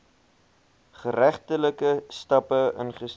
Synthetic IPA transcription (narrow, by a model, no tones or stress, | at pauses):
χəɾæχtələkəstɐpəənχəs